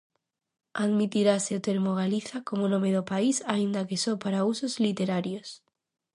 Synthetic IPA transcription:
aðmit̪iɾaseot̪eɾmoɣ̞aliθakomonõmeðopaisaind̪akesopaɾausozlit̪eɾaɾjos

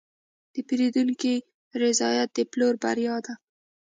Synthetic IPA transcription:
d̪̥əpiɾid̪uŋki | ɾɪzɑjat̪̚d̪əploɾba̰ɾjɑd̪a

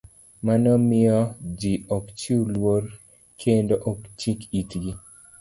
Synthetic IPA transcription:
manɔmɪɔd͡ʒiɔkt͡ʃiulwoɾ | kʰendoʔɔkt͡ʃikitɡi

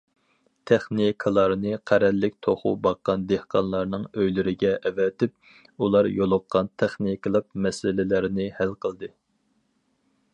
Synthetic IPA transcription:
t̪ʰɛχnikʰəlˠɑɾnɨqʰæɾɛlːɪk̚ʲt̪ʰoχṵbɑqːɑnd̪ehqʰɑnlˠɑɾnɨŋøjlyɾɪɡʲɛʔɛvɛt̪ʰɪp̚ | ulˠɑɾjolˠʊqʰːɑnt̪ʰæχnijkʰəlˠɨq̚mɛsɪlɪlæɾnɪhælqʰəlˠd̪ɨ

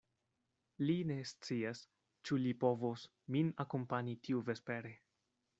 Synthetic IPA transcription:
line̞st͡sias | t͡ʃulipo̞vos | minakompanitʰiuve̞spe̞ɾe

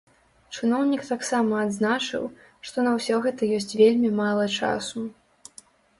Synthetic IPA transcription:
t͡ʂɨnɔwnʲikt̪aksamɐːd̪znat͡ʂɨ̰w | ʂt̪ɔnɐwsʲɔɣɛt̪ɐjɔsʲt͡sʲvʲelʲmʲimalˠɐt͡ʂa̰su

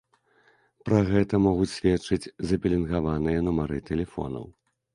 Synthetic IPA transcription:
pɾɐɣɛt̪ɐmɔɣut͡sʲsʲvʲɛt͡ʂɨt͡sʲzɐpʲɛlʲinɣavanɨjɐnumaɾɨt̪ɛlʲɛfɔ̰nɐ̰w

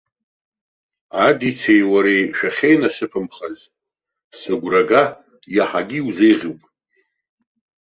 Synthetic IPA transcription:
adit͡sʰejwaɾejʃᶣaχʲejnasɨpʰɨmχaz | sɨɡʷraɡa | jaħaɡʲiwzejʁʲɪwpʼ

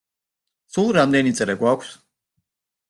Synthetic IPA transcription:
sulˠɾamd̪ɛnit̪sʼɾɛɡwakʷʰs

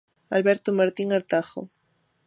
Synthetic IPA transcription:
alβeɾt̪omaɾt̪iŋaɾt̪axo̰

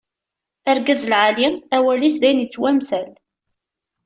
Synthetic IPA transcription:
əɾɡəzlʕaliæwælisðæjnjət͡sːwæmsæl

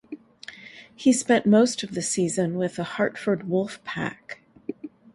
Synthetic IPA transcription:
hispɛ̃nʔmoʊstʌvðɨsizɨ̃nwɪðəhɑɹtfə˞d̚wʊlˠfpʰæ̰k

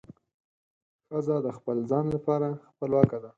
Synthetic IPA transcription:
fazɑd̪əxpəlzɑnlapɑɾaxpəlwɑkad̪a

